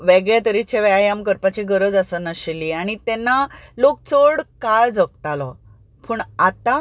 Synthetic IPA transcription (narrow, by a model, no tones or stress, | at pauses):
ʋeɡɭjat̪əɾit͡ɕeʋɛajamkəɾpat͡ɕiɡəɾəd͡zasənaɕeliaɽ̃it̪enːalok̚t͡soɽkaɭd͡zək̚t̪alɔ | puɳat̪a